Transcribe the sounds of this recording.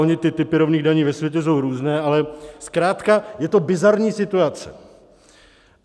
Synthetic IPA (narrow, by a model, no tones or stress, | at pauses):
oɲɪt̪ɪt̪ɪpɪɾovniːɣdaɲiːvɛsvjɛcɛs̬o̞wɾuːznɛːʔalɛskɾaːt̪kajɛt̪o̞bɪzaɾɲiːsɪt̪uat͡sɛ̰